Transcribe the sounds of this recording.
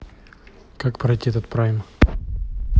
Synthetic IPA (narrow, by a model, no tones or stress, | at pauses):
kakpɾɐjt̪ʲiɛt̪ət̪̚pɾajʲɪm